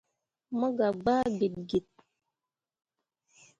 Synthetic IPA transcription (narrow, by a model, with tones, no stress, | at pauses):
mə˦ɡa˨ɡ͡baː˦ɡe˨t̚ɡe˨t̚